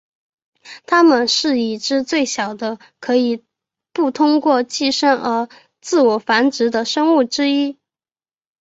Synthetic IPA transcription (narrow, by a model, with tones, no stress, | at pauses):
t̪ʰa˥mə˨nʂɻ̩˥˩i˨˩ʈ͡ʂɻ̩˥t͡swe˥˩ɪɕjɑ˨˩ʊd̪ə˦ | kʰɤ˧˥i˨˩ | pu˥˩t̪ʰʊ˥ŋkwɔ˥˧t͡ɕi˥˩˧ʂə˥ŋʔə˞˧˥ | t͡sɹ̩˥˩wɔ˨˩fa˧˥nʈ͡ʂɻ̩˧˥d̪ə˧ʂɤ˥ŋu˥˩ʈ͡ʂɻ̩˥i˥